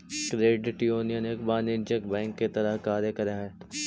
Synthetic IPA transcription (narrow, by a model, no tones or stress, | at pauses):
kɾeːɖʈioːnijənekbaːned͡ʒəkbɛ̃ːŋkːet̪ɐɾəɦkaːɾjəkɐɾaɦɛː